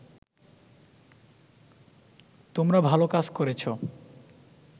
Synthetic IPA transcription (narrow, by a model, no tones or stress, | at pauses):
t̪omɾabʱalokad͡ʑkoɾet͡ɕʰo